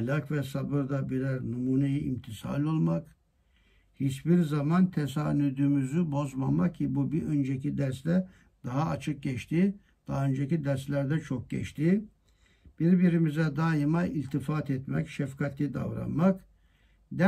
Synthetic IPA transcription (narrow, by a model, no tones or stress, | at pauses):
lʲakvɛsabɯɾd̪abiɾæɾnumuːnejiimt̪ʰisa̰nʲo̞lˠmak | hit͡ʃbiɾzamant̪ʰɛsaːnyd̪ymyzybo̞zmamak̚cʰibubiø̞nd͡ʒɛcʰid̪æɾsd̪ɛ | d̪̥aɦaːt͡ʃʰɯk̚ɟɛt͡ʃt̪ʰi | d̪̥aːø̞nd͡ʒecid̪æɾslʲæɾd̪ɛt͡ʃʰo̞k̚ɟɛ̰t͡ʃt̪ʰi | b̥iɾbiɾimizɛd̪aːjɯmailʲt̪ʰifat̪ʰɛt̪mɛ̰cʃɛfkʰat̪lʲid̪a̰vɾa̰nmak | d̪æ